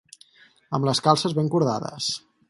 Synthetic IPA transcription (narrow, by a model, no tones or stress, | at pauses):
əmləskalˠsəzβeŋkuɾð̞a̰ðə̰s